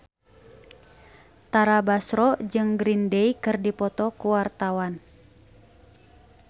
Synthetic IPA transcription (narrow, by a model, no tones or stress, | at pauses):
t̪aɾabasɾɔd͡ʒɨŋɡɾindeikɨrdipɔt̪ɔkuwart̪awan